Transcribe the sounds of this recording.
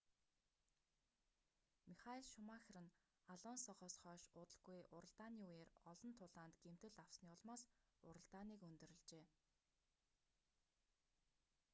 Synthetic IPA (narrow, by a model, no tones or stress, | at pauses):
miχaiɮʃʊmaxʲrɘ̆n | aɮɔnsɔʁɔːsχœːʃʊːt̪ə̆ɮɡujʔʊɾə̆ɮt̪aːniujeːrɔɮɞ̆nt̪ʰʊɮaːnt̪ɡ̥em̥t̪ɘ̆ɮaw̥sniːʊɮmaːsʊɾə̆ɮt̪aːniːkɵnt̪ɵ̆ɾɘ̆ɮt͡ɕeː